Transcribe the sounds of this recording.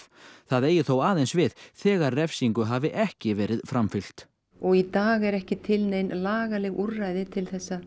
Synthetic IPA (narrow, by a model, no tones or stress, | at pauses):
θaðeːjʏθowaːðensvɪðθɛːɣarrɛfsiŋkʏɦaːvɪʔɛhcɪvɛːɾɪðfɾamfʏl̥t̪ | ɔɣit̪aːɣɛɾɛhcɪt̪ʰɪlnejnlaːɣalɛɣurajðɪt̪ʰɪlθɛsːa